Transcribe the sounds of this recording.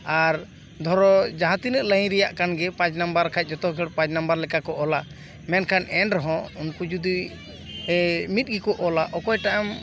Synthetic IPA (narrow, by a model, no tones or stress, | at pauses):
aɾ | d̪ʱɔɾɔd͡ʒaɦãt̪inəʔlə̃ɾɛjaʔkanɡɛpãt͡ʃnambaɾkʰac̚ˀd͡ʒɔt̪ɔkʰɛɽpãt͡ʃnambaɾlɛkakɔʔɔla | mɛnkʰanɛnɾɔɦɔ̃unkud͡ʒud̪i | mit̪̚ˀɡikɔʔɔlaʔɔkɔjʈaʔam